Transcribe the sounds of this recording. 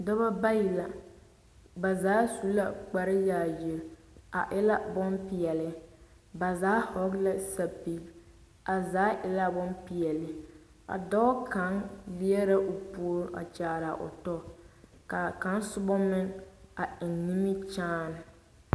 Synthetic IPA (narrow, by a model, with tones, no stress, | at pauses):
da˦ba˦ba˦ji˨la˨ | ba˨zaː˦su˦la˦˨k͡pa˨ɾɪ˦jaː˨jɪ˨ɾ | a˨ʔɪ˦la˦bɔ˦mpi˨jɛ˨lɪ˦ | ba˨zaː˦hɔ˦ɡla˦sa˨pi˨˦ | a˨zaː˨˦ʔɪ˨la˦bɔ˦npi˨jɛ˨lɪ˨ | a̰˨dɔ˦ka˨˦ŋli˦ɛ˦ɾa˦ʔo˨pu˦ɾʔa̰˨t͡ʃaː˨ɾa˨ʔʊ̰˨tɔ˦˨ | ka˨ka˨˦nsʊ˦bɔ˦mɪ˦ŋa˨ɪ˨nːi˦mɪ˦t͡ʃaː˦n˨